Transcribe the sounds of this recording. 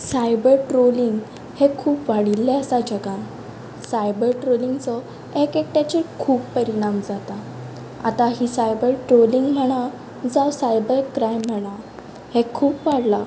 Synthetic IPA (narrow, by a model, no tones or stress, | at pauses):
sajbəɾʈɾoliŋɡ | hekʰuːpʋaɽilːɛəsad͡ʑəɡã | sajbəɾʈɾoliŋɡt͡sɔ | ekek̚ʈat͡ɕikʰuːpːəɾiɽ̃amd͡zat̪a | a̰t̪aɦisajbəɾʈɾoliŋɡm̤əɽ̃a | d͡zawsajbəɾkɾajm̤ːəɽ̃a | hekʰuːpʋaɽla